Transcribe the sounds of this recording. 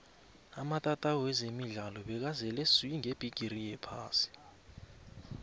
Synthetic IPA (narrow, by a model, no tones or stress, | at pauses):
amatʼatʼaɔɛzemiɮalɔɓɛk̬azɛlɛsuiŋeb̥ʱiɡ̥ʱirijɛpʰaːsi̥